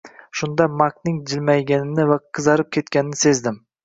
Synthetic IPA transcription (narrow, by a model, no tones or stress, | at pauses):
ʃʊnd̪amaknɪŋd͡ʒɪlmajɡʲanɪnɪvaqʰɨzɑɾɪp̚kʲʰe̞t̪kʲanɪnɪ̥se̞zd̪ɪm